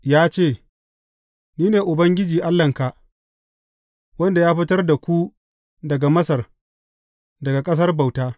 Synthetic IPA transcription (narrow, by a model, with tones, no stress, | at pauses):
jaː˦t͡ʃeː˦˨ | niː˦neː˨ʔʊ˨bɐ˦ŋɡʲɪ˦d͡ʒiː˨ʔa˦lːɐ˨ŋka˨ʔ | wɐ˦nda˨jaː˦ɸɪ˦tɐ˦rda˨kʷu˦ | dɐ˨ɡa˨mɐ˦sɐ˨r | dɐ˨ɡa˨kʼɐ˦s̬ɐ˦rba˨wtaː˦